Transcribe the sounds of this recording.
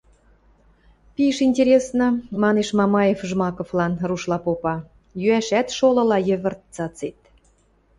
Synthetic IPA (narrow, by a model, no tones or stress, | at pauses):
piʃinʲtʲeɾʲesnɤ̆mɑneʃmɑmɑjefʒmɑkoflɑnruʃlɑpopɑ | jyæʃæt̪ʃolɤ̆lɑjə̆βə̆rt̪̚t͡sɑt͡set̪̚